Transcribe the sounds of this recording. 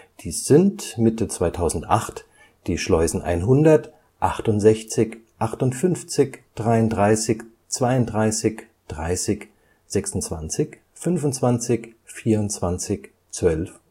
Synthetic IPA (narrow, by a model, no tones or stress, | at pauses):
d̥iːsz̥ɪntmɪtət͡sv̥aɪtʰaʊzn̩tʔa̰χt | d̥iːʃlɔʏzn̩ʔa̰ɪnɦʊndɐt | ʔaχtʊntz̥ɛçt͡sɪçʔaχtʊntfʏnft͡sɪçd̥ʁaɪʊntdʁaɪsɪç | t͡sv̥aɪʊntdʁaɪsɪç | d̥ʁa̰ɪsɪç | z̥ɛksʊnt͡sv̥a̰nt͡sɪç | fʏnvʊnt͡sv̥ant͡sɪçfiːɐʊntt͡sv̥ant͡sɪç | t͡sv̥œlf